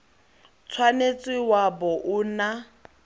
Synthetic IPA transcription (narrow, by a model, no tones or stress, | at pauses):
t͡sʰwanet͡sʼɪwabɔʔʊna